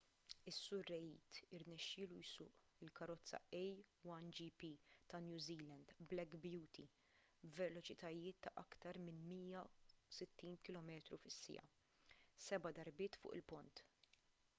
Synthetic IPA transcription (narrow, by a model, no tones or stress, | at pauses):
ɪsːʊɾːɛjḭːt̪ɪɾnɛʃːɪːlujsʊ̰ːʔ | ɪlkɐɾɔt͡sːɐ̰ʔɛjwɐnd͡ʒipit̪ɐnjuːziːlɐnd̪blɛkbjuːt̪i | vɛlɔt͡ʃɪt̪ʰɐjɪːt̪ːɐʔɐkt̪ɐɾmɪnmiːjɐsɪt̪ːiːnkɪlɔmɛːt̪ɾufɪsːɪ̰jɐ̰ | sɛbɐd̪ɐɾbɪːt̪fʊ̰ːʔɪ̰lpʊnt̪